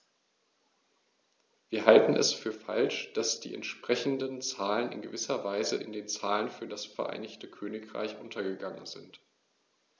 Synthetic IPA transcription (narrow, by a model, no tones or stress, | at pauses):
v̥iːɐɦaltn̩ɛ̰sfyːɐfa̰lʃd̥asd̥ḭːɛ̰ntʃpʁ̥ɛçn̩dənt͡saːlənɪ̰nɡəvɪsɐvaɪzəʔɪndeːnt͡saːlənfyːɐdasfɛɐʔa̰ɪnɪçtəkʰøːnɪkʁ̥a̰ɪçʔʊntʰɐɡəɡaŋə̰nzɪ̰nt